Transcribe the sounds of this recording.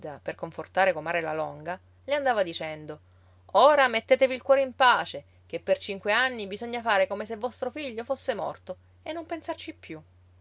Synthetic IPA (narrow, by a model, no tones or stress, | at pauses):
d̪aperkoɱfort̪aːɾekomaːɾelalɔŋɡa | leand̪aːvad̪it͡ʃɛnd̪o | oːɾamet̪ːeːt̪eviːlkwɔːɾeimpaːt͡ʃe | kepːert͡ʃiŋkweanːibizoɲːafaːɾekomes̬evːɔst̪ɾofiʎːofosːemɔ̰rt̪o | enːompensart͡ʃipːju